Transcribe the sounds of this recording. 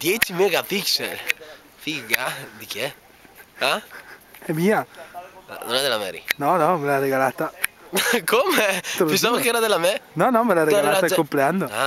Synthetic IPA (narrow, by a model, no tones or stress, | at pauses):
d̪jet͡ʃimeɡapiksɛl | fikɡad̪ikje | a | ɛmia | a̰nonɛd̪elamɛ̰ɾḭnɔnɔmelareɣalat̪a | kʰomet̪ɾopẽnsamokeɛɾaðelamɛnɔnɔmelarealat̪akompɾeand̪oa